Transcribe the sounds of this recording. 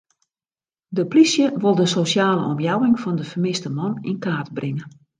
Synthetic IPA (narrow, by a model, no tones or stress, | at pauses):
dəplisjəʋɪlˠdəsosaːlə̰ʔɔmjawɪŋfɔndəfərmɪstəmɔnɪ̰nkaːtbrʔɪŋə